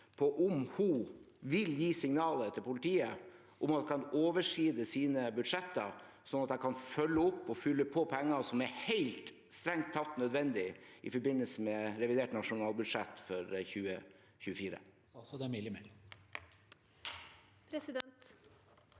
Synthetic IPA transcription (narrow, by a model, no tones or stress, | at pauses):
pʰɔʔʊmhu | ʋɪljiːsɪŋnɑːlət̪ʰɪlpʊlɪt̪ʰiːə | ʔʊmɑt̪kʰɑnoːʋəʂkiːd̪əsiːnəbʉd̪ʂɛt̪ːəɾ | sɔnɑt̪hækʰɑnfœlːəʊpːɔfʏlːəpʰoːpʰɛŋːəsɔmæɾheɪlt̪ | st̪ɾɛŋt̪ʰːɑt̪nœd̪ʋɛnd̪ɪʔɪfɔbɪnəlsəmɛɾɛʋɪd̪eːʈnɑʂʊnɑːlˠbʉd̪ʂɛt̪ːfɔɾçʉːə | çʉːəfiːɾə̰ | sd̪ɛmɪlɪmɛ | pʰɾɛsɪd̪ɛt̪